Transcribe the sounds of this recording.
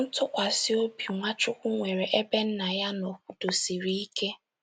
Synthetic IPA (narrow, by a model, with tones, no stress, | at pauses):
n̩˦tʊ˦kʷa˨sɪ˦o˦bi˨ŋʷa˦t͡ʃʊ˦kʷu˦ŋʷe˨ɾe˨ʔe˦be˦n̩˦na˨ja˦no˨ku˨to˨si˨ɾi˦i˦ke˦